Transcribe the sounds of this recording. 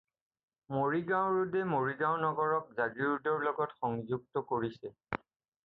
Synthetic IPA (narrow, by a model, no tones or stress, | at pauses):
moɹiɡãʊ̃ɹudɛmoɹiɡãwnɔɡɔɹɔk̚zaɡiɹudɔɹlɔɡɔtxɔŋzuɡ̚tɔkoɹisɛ